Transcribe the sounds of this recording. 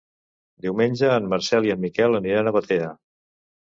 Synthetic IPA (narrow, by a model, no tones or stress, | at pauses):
d̪iwmenʲʒəːmːəɾsɛliəmːikɛlˠəniɾanəβət̪eɾə